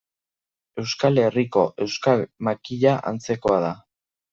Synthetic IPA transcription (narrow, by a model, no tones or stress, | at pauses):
e̞wskale̞riko̞ʔe̞wskalmakiʎaʔa̰nt͡se̞ko̞aða